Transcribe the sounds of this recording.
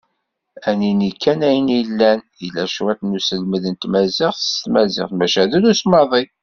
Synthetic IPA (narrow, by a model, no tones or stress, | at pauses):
æninikʰːænæjənilːænjəlːæʃwæt̪nusəlməðənt̪mæzɪχθət̪mæzɪ̰χmæʃæðuɾusmɑðˤi